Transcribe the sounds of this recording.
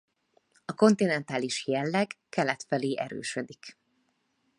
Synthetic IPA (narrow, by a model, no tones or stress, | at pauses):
ɒko̞nt̪inɛnt̪aːliʃjɛlːɛɡkɛlɛt̪fɛleːʔɛɾø̰ːʃød̪ik